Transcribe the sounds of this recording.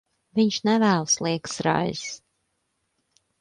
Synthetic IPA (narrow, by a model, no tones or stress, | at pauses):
viɲʃnɛvæːlˠslˠiɛk̪sɾa̰jzs